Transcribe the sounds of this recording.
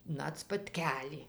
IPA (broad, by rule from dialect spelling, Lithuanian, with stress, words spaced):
ˈnɐt spɐtʲˈkʲæːlʲiː